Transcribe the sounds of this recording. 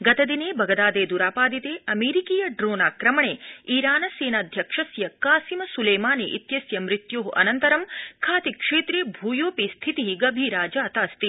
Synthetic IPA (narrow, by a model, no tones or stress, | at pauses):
ɡɐt̪ɐd̪ineːbʱɐɡɐd̪aːd̪eːd̪uɾaːpaːd̪it̪eːɐmeːɾikiːjɐɖɾoːnaːkɾɐmɐɳeːiːɾaːnɐseːnaːd̪ʱjɐkʂɐsjɐkaːsimɐsuleːmaːnḛʔit̪jɐsjɐmɾit̪joːɦʔɐ̰nɐnt̪ɐɾɐmkʰaːt̪ikʂeːt̪ɾeːbʱuːjoːpist̪ʰit̪iɦiɡɐbʱiːɾaːd͡ʒaːt̪aːst̪i